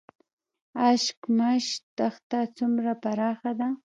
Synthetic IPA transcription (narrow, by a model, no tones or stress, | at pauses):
aʃkmaʃt̪ɑχt̪at͡sʊmɾapaɾɑχɑd̪a